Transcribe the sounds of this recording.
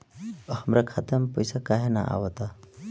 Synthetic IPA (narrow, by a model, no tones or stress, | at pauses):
həmɾakʰat̪əmpɔjsakaɦena̰ʔa̰ʋət̪a